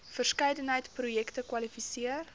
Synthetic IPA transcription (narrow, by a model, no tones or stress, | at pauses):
fərskɛjdənɦəjtprujɛktəkwɐlifisiər